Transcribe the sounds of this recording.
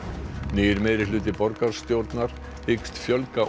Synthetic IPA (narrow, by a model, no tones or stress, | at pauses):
niːjɪɾmɛðɾɪlʏːt̪ɪpɔɾkaɾ̥st̪jowɾt̪naɾ̥ | hɪkst̪fjœlka